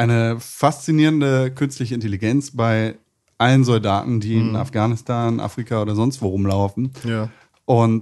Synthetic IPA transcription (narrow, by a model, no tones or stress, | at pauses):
ʔaɪnəfast͡siniːʁəndəkʰʏnstlɪçəɪnteliɡɛnt͡sb̥aɪ | ʔalənzɔlda̰ːtn̩diːɪna̰fɡ̥aːnɪstʰaːnʔa̰fʁ̥ikʰaoːɾɐzɔnstv̥oːʁʊmlaʊfn̩ | ʔʊnt